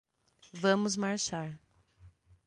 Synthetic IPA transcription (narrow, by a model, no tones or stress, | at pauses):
vɐ̃mʊzmaɾʃaɾ